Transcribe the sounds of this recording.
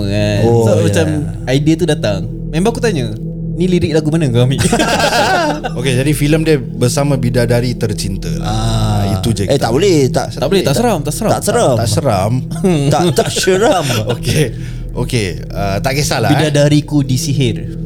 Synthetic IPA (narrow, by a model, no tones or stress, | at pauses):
əaoamat͡ʃam | aidiat̪udat̪aŋ | membakut̪aɲə | niliɾɪk̚laɡumanəkami | oked͡ʒadifiləmdiə | bərsamabidadaɾit̪ərt͡ʃint̪ə̰aiud͡ʒaet̪aʔbolɛt̪a̰ʔ̪abolɛh̪aʔsəɾamt̪aʔsəɾat̪aʔsəɾamasəɾam | aʔt̪aʔsəɾamoke | oke | ət̪aʔkəsalabidadaɾikudisiɦɪr